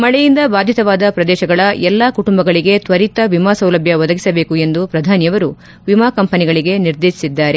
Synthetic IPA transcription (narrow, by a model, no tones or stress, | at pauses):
mɐɭɛjind̪ɐbaːd̪ʱit̪ɐʋaːd̪ɐpɾɐd̪ɛːʃɐɡɐɭɐʔɛlːaːkuʈumbɐɡɐɭiɡe̞t̪ʋɐɾit̪ɐʋimaːsɐwlɐbʱjɐʋɔd̪ɐɡisɐbe̞ːkue̞nd̪upɾɐd̪ʱaːnjɐʋɐɾu | ʋimaːkɐmpɐniɡɐɭiɡe̞niɾd̪eːʃi̥sid̪ːaːɾe̞